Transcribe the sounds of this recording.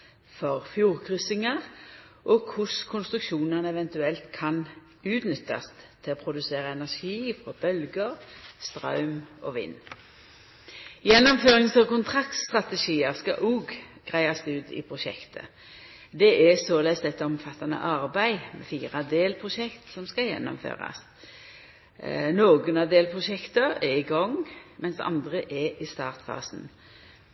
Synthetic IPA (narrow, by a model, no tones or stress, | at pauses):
fɔʁfjuːʁkʰʁʉsɪŋɑʁ | ʔɔkʰʊskʰʊnst̪ɾʉkʃuːnənɛʋɛnt̪ʉɛlt̪kʰɑn | ʉːt̪nʏt̪ʰːɑ̰st̪t̪ʰɪlɔːpʰɾʊd̪ʉseːʁɑɛnæʁʃiːfʁɔb̥œlɡəʁst̪ʁɑ̰ʉmo̰ːʋɪ̰nː | jɛnːɔmføːʁɪŋsɔkʊnt̪ʰʁɑk̚t̪st̪ʁɑt̪ɛʃiːəʁskɑ̰ʔuːɡɡ̥ʁæɪɑsd̪ʉːt̪ɪ̰pʰʁʊʃɛ̰kt̪ʰə̰ | d̪ɛʔɛsoːlæɪst̪ɛt̪ːəɔmfɑt̪ːɑnə̰ʔɑʁbæɪmɛ̰fiːʁɑd̪eːlpʰʁʊʃɛkt̪sɔmskɑjɛ̰nːɔ̰mfø̰ːʁɑ̰s | noːɡənɑd̪eːlpʰʁʊʃɛkt̪əɾɛʁɪɡɔŋmɛnsɑ̰nd̪ʁəʔɛɪst̪ɑːʁt̪fɑ̰ːsn